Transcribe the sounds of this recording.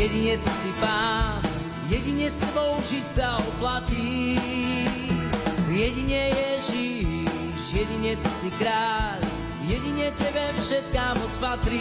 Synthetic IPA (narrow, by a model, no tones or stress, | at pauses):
jɛɟiɲɛt̪isipaːn | jɛɟiɲɛsɛbɔʊʒicsaɔplaci | jɛɟiɲɛjɛʒi | ʃjɛɟiɲɛt̪isikɾaːʎ | jɛɟiɲɛcɛbɛfʃɛt̪̚kaːmɔt͡spat̪ɾi